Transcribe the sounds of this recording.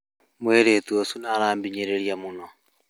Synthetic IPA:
mweɾet̪uosunaːɾaːmbiɲeɾeɾjamunɔ

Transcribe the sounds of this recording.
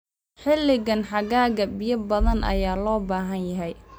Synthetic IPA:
ħɪlːɪɣɐnħɑɣaːɣɐbɪjɐbɐðɐnʔɐ̰jaːlɔːbaːɦɐnjɐɦɛj

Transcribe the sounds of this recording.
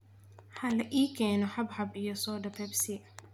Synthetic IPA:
ħɐlɐʔiːkʰɛːnɔħɐbħɐbijɔsɔːdɐpɛbsɪ

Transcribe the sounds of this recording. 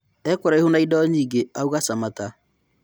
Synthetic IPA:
ɛkoɾaehunaidɔɲiːɡeauɣasamata

